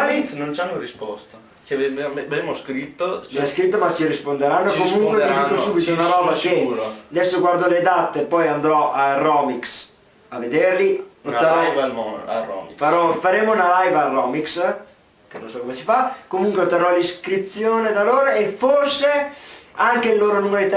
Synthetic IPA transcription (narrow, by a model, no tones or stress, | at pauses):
aisnont͡ʃanːoɾispɔst̪a | t͡ʃbemoskɾit̪ːomɛskɾit̪ːomat͡ʃːiɾispond̪eɾanːokomuŋkweddikosuːbit̪ounaɾɔːbasjɛnad̪ɛsːoɡward̪oled̪at̪ːepɔjand̪ɾɔarːɔːmiks | avːed̪eɾliot̪aɾj | ɔ̰mifaɾɔfaɾeːmounalajvarːɔːmiks | keno̰nsakːomesifakomuŋkweot̪ːaɾɔliskɾit̪sːjoːned̪aloːɾoeforseaŋkelːoːɾonunajt̪